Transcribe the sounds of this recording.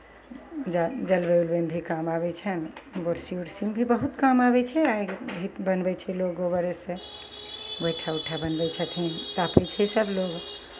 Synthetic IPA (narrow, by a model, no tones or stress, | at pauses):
d͡ʒd͡ʒəlbeulbembʱikamabɛt͡ʃʰɛnboɾsiuɽsimbʱibəɦut̪kamabɛt͡ʃʰɛaɡbʱibənbɛt͡ʃʰɛloɡobəɾesẽ | bəjʈʰauʈʰabənbɛt͡ʃʰət̪ʰint̪apɛt͡ʃʰɛsəbloɡ